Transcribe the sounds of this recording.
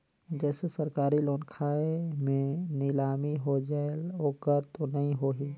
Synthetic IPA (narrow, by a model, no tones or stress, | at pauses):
d͡ʒɛːsesəɾkaːɾiloːnkʰaːemẽnɪlaːmiɦod͡ʒaeloːkəɾt̪onɐɦĩɦoːɦiː